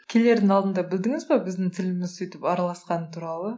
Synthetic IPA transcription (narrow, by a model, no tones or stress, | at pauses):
kʲʰele̞ɾd̪ɪŋɑlˠd̪ənd̪ɑbɪld̪ɪŋɪzbɑbɪzd̪ɪŋt̪ʰɪlɪmɪzsʏjt̪ɪpɑɾɑlˠɑsqɑnət̪ʰuɾɑlˠə